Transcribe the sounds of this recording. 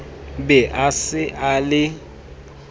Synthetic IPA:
bɛʔasɪʔalɪ

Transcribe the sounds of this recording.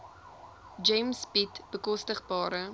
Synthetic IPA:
d͡ʒɛjmsbitb̥əkɔstəχbɑːɾə

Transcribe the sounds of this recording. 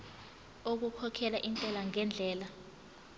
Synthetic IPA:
ok̬ukʰɔkʰɛlaʔint͡ɬʼɛlaŋɛnd͡ɮʱɛːla

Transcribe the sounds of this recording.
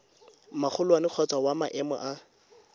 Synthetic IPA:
mak͡xʰʊlwanɪk͡xʰɔt͡sʼwawamaʔɛmɔ̰ʔa

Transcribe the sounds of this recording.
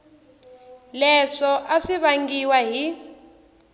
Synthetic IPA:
lɛʂɔʔaʂiβaŋɡiwaɦi

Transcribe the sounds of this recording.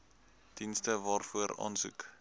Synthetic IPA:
d̥instəvɑːrfuəɾɑ̰ːnsʉ̰k

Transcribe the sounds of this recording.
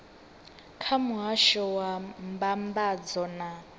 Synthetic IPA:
kʰamuɦaʃɔwambambad͡zɔna

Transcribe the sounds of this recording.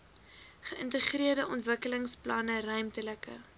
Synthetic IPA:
χəʔəntəχriərdəʔɔntvəkələŋsplɐnərœɥmtələkə̰

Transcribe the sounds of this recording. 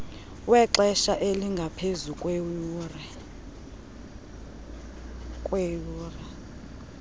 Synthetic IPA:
wɛǁɛʃaʔeliŋɡʱapʰezukʼwr | kʼwejuːrɛ

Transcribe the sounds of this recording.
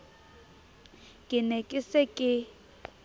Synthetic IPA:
ɡʱinekʼisɛkʼɪ

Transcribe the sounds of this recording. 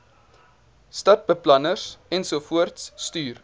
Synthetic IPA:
stɐt̚bəplɐnəsɛnsufuərtsːtyːr

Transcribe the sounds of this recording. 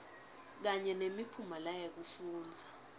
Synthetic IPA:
k̬aɲɛnemipʰumalajak̬ufuːnd͡zʱa

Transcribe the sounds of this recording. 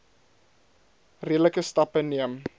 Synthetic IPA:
riələkəstɐpəniəm

